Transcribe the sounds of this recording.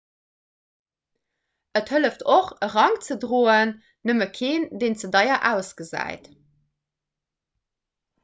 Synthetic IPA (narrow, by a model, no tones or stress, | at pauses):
əthələftʰoχəʁɑŋt͡sədʁoːənː | əməkʰeːndeːnt͡sədɑɪɐʔæːʊsɡ̥əzæ̰ːɪt